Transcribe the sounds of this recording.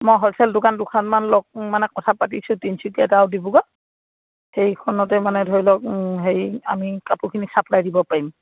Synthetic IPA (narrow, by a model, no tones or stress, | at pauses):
mɔjɦɔɹsʰɛldʊkandʊkʰanmanlɔk̚manɛkɔtʰapatisʊ̃tinsʰukiɛtaawdibuɡɔ | hejkʰɔnɔtɛmanɛdʱoɹjlɔk̚ɦeja̰mikapukʰinisapʰlajdibɔpaɹim